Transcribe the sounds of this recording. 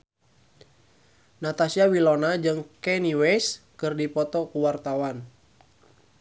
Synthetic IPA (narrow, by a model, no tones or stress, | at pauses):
nat̪asiawilɔnad͡ʒɨŋkɛniwɛskɨrdipɔt̪ɔkuwart̪awan